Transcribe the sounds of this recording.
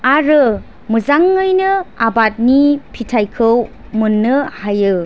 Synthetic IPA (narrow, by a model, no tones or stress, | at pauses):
aɾɯ | muzaŋːɯjnɯabat̚nipʰitʰajkʰɯw | munːɯhajɯ